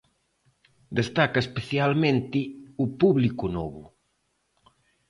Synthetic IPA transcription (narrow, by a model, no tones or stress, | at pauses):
d̪est̪akɐespeθjalmẽnt̪iupuβlikunɔβu